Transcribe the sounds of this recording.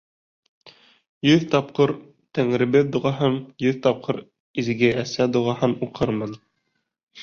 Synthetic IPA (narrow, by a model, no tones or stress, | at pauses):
jɵðt̪ɑp̚qɤɾ | t̪æŋɾɘ̆bɘðd̪uʁɑɦɤmjɵðt̪ɑp̚qʰɤɾ | izɡɘæsæd̪uʁɑɦɤnuqɤɾmɤn